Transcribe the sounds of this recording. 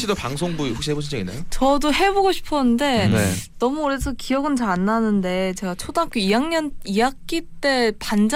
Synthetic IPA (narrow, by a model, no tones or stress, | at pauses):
ɕ͈idopaŋsʰoŋbuiɸokɕiɦeboɕʰind͡ʑʌɡinːa̰jot͡ɕʌdoɦe̞boɡoɕʰi̥pʰʌnɯnde̞nḛnʌmuoɾesʰʌkijʌɡɯnt͡ɕaanːanɯnde̞t͡ɕe̞ɡat͡ɕʰodakoijaŋɲʌnijak͈it͈e̞pand͡ʑ